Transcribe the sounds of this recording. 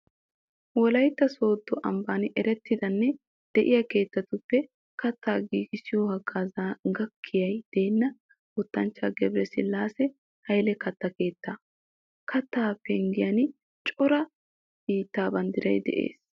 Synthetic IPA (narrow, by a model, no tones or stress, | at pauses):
wɔlɐjt̪ːɐso̞ːd̪ːɔʔɐmbaːnɪʔɛɾɛt̪ːɪd̪ɐnːɛ | d̪̥ɛʔɪjɐke̞ːt̪ːɐt̪ʊpːɛ | kɐt̪ːaːɡiːɡɪsɪjoːhɐɡʼaːzaɡɐkʰːɪjɐjd̪̥e̞ːnːɐ | ʊt̪ːɐnt͡ʃːaɡɛbɾɛsɪ̰lːaːsɛ | hɐjlɛkɐt̪ːɐke̞ːt̪ːa | kʰɐt̪ːaːpːɛŋɡɪjɐnɪ | t͡ʃʼɔɾɐ | b̥iːt̪ːaːbɐnd̪ɪɾɐjd̪ɛ̰ʔe̞̰ːs